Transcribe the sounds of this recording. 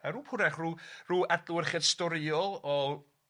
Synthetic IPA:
əɾuːpʰʊɾɛχruːruːʔɛdlˠʊɪrχɪdstɔɾɪɔlˠɔ

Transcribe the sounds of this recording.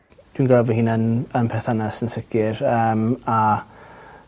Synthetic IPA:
d̥winɡalvəhinənənpʰɛθanasənsəkʰɪrəma

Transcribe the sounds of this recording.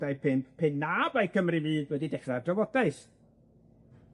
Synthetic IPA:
dajpʰɨnpʰɨnːabajkʰəmriviːdwədidɛχradrɔvɔd̥aɨθ

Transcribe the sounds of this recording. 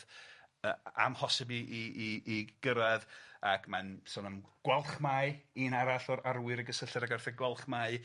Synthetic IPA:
əa̰mhɔsɪbiʔiiːɡ̥əɾaðakʰmansɔnəmɡ̥wɛlˠχmaɨinaɾaɬɔɾarwɪɾəɡəsəɬɨɾaɡɛrθɛɡwɛlˠχmaːɨ

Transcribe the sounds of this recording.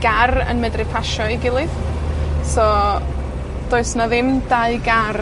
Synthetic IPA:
ɡ̥arə̰nmɛdrɨpʰaʃɔiɡɪlˠɨð | sɔ | d̥oːɨsnaðɪmdaɨɡar

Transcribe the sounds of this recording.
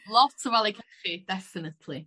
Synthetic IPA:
lˠɔtʰəvalˠekʰeχid̥ɛfɪnətʰli

